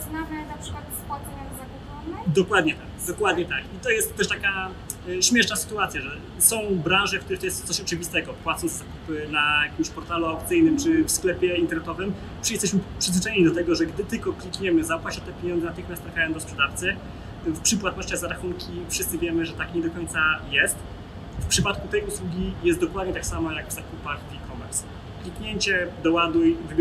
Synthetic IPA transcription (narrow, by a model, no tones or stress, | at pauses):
znamɛnapʂɨkwat̪pwat̪sɔɲazak | ɔnɛd̪ɔkwad̪ɲɛt̪akd̪ɔkwad̪ɲɛt̪akit̪ɔjɛst̪ːɛʂt̪aka | ɕmʲjɛʂnasɘ̥t̪uat̪sʲjaʐɛ | sɔ̃w̃bɾãnʐɛkt̪uɾɛxt̪ɔjɛst̪t̪sɔɕɔt͡ʂɘvʲist̪ɛɡɔpwat̪sɔ̃ñzz̥akupɘnajakʲimɕpɔɾt̪aluawp̚t̪sɘjnɘmt͡ʂɘfsklɛpʲjɛint̪ɛɾnɛt̪ɔvɘm | pʂjɛst̪ɛɕmɘpʂɨzvɘt͡ʂɛɲeɲid̪ɔt̪ɛɡɔʐɛɡd̪ɘt̪ɘlkɔklʲikɲɛmɘzafaɕɛt̪ɛpʲjeɲɔnd̪zɛnat̪ɘxmʲjast̪ːɾafʲajɔ̃nd̪ɔspʂɛd̪aft̪sɛ | fpʂɘpwat̪nɔɕt͡ɕaɣzaɾaxuŋkʲifʂɘst̪sɘvʲjɛmɘʐɛt̪akɲɛd̪ɔkɔɲʲt̪sajɛst̪ | fpʂɘpat̪kut̪ɛjuswuɡʲijɛst̪d̪ɔkwad̪ɲɛt̪aksamajakzakupafʲikɔmɛɾs | klʲikɲeɲt͡ɕɛd̪ɔwad̪ujvɘ